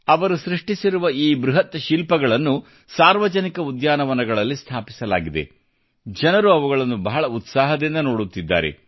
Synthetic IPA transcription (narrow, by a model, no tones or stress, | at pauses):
ɐʋɐɾusɾiʂʈisiɾuʋɐiːbɾuɦɐt̪ːɐʃilpɐɡɐɭɐnːu | saːɾʋɐd͡ʒɐnikɐud̪jaːnɐʋɐnɐɡɐɭɐlːist̪ʰaːpi̥sɐlaːɡid̪e̞̰ | d͡ʒɐnɐɾuɐʋuɡɐɭɐnːubɐɦɐɭɐut̪saːɦɐd̪ind̪ɐnoːɽut̪ːid̪ːa̰ːɾe̞̰